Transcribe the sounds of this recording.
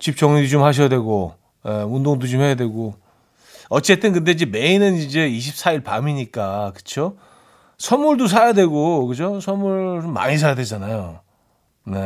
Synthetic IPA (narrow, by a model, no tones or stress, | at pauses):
t͡ɕip̚t͡ɕ͈ʌŋɲidit͡ɕomhaɕ̬ʰjadweɡo | je̞undoŋdot͡ɕomhe̞jadwe̞ɡo | ʌt͡ɕ͈e̞t͈ɯnkɯnde̞d͡ʑime̞inɯnind͡ʑe̞iɕʰip̚s͈aiɭpamiɲik͈akɯ̥t͡ɕʰo | sʰʌnmuɭdos̬ʰajadwe̞ɡokɯd͡ʑosʰʌnmuɭt͡ɕomːa̰ɲis̬ʰajadwe̞d͡ʑanajo | ne̞